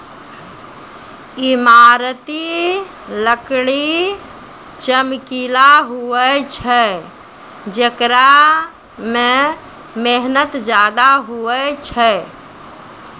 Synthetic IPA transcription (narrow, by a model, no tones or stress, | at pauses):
imaɾt̪i | ləkɽi | t͡ʃəmkilaɦuət͡ʃʰɛ | d͡ʒekɾa | me | meɦnət̪d͡ʒad̪aɦuɛt͡ʃʰɛ